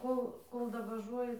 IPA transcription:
ˈkoːlˠ ˈkoːlˠ dɐʋɐˈʒuɔjɪ

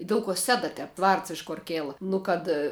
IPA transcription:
ˈdʲɛlˠ koː ˈsʲæːdɐ ˈtʲɛp ˈʋɐrts ɪʃ koːr ˈkʲeːlˠɐ ˈnʊ kɐt

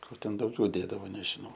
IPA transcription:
ˈkoː ˈtʲɛn ˈdɐʊɡʲɛʊ ˈdʲeːdɐʋoː nʲɛʒʲɪˈnɐʊ

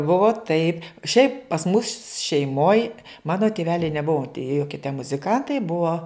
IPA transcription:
ˈbʊʋoː tɐɪp ʃʲɛɪp pɐs mʊs ʃʲɛɪˈmoːj ˈmɑːnoː tʲɪˈʋʲæːlʲɛɪ nʲɛˈbʊʋoː tʲiɛ ˈjoːkʲiɛ tʲɛ mʊzʲɪˈkɐntɐɪ ˈbuɔ

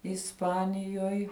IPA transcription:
ɪsˈpɑːnʲɪjoːj

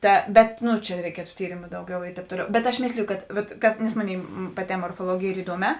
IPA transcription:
ˈtɐ ˈbʲɛt ˈnʊ t͡ʃʲɛ rʲɛɪˈkʲiɛtʊ ˈtʲiːrʲeːmʊ ˈdɐʊˌɡʲɛʊ ɪ ˈtʲɛːp ˈtoːˌlʲɛʊ bʲɛt ɐʃ ˈmʲeːsʲlʲɪjʊ ˈkɐt ˈʋɐt kɐt nʲɛs ˈmoːˌnʲeːɪ pɐˈtʲɛː moːrfoːˈlˠuɔɡʲeːj ˈiːr ɪˈduɔˌmʲɛː

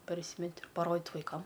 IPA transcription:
pɐrʲˈsʲiːmʲɛtʲɪ pɐˈroːdʲɪt ʋɐɪˈkɐm

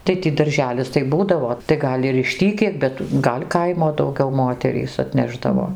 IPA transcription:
tɐɪ ˈtʲiː dɐrʲˈʒʲæːlʲɪs tɐɪ ˈbuːdɐʋoː tɐɪ ˈɡɐlʲ ɪr ɪʃ ˈtʲiː kʲiɛk bʲɛt ˈɡɐlʲ ˈkɐɪmoː dɐʊˈɡʲɛʊ ˈmoːtʲɛrʲiːs ɐtʲˈnʲæːʒdɐʋoː

